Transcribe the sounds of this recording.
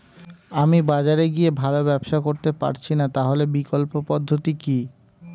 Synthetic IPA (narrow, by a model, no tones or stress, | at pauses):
amibad͡ʑaɾeɡiebʱalobɛbʃakoɾt̪epa̰ɾt͡ɕʰinat̪aɦolebikolpopɔd̪ʱːot̪iki